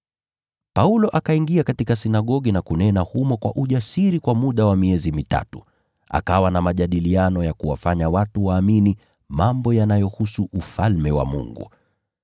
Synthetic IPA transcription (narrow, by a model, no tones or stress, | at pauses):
paulɔʔakaiŋɡiakatikasinaɠɔɠinakunɛnahumɔkwa̰ʔuʄasiɾikwamuɗawamiɛzimita̰tu̥̰ | a̰kawanamaʄaɗilianɔjakuwa̰faɲawatuwaːmini | mambɔjanajɔhusuʔufalmɛwa̰mṵŋɡṵ